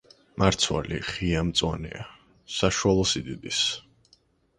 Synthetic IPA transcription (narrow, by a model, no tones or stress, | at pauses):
maɾt̪sʰwa̰liχiamt̪sʼwanɛ̰a | saʃualˠɔsid̪id̪is